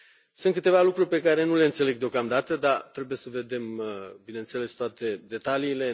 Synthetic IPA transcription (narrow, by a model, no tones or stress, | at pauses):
sɨnt̪kɨt̪e̞valukɾurʲpe̞kaɾe̞nuleɨnt̪se̞le̞ɡ̚d̪eo̞kamd̪at̪əd̪at̪ɾe̞buje̞səve̞d̪e̞mbinent̪se̞le̞st̪oat̪e̞d̪e̞t̪aliːle̞